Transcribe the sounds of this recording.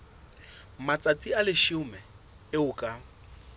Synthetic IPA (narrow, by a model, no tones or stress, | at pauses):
mat͡sʼat͡sʼialɪʃʊmɛ | ɪʊkʼa